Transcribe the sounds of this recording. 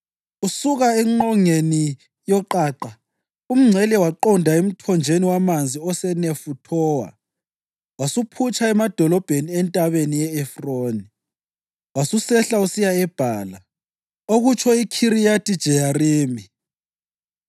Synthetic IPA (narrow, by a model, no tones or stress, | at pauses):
usuɣaɛŋ͡ǃɔŋeni | jɔǃaːǃa | um̩ŋ͡ǀʱɛlɛwaǃɔndʱaum̩tʰɔnd͡ʒʱeniwamand͡zʱiɔsɛnefutʰɔwa̰ | wasupʰut͡ʃʰʼaɛmad̥ʱɔlɔb̥ʱeniɛntʼaβenijɛɛfroːni | wasusɛɬausijaɛb̥ʱaːla | oɣut͡ʃʰɔikʰiɾijatʼid̥ʒ̥ʱɛjariːmi